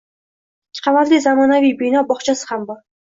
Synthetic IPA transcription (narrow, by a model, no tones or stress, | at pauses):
ɪːɪ̥qʰɑvat̪lizamɒnavijbɪjnɒbɒχt͡ʃʰasɪ̥hambɒɾ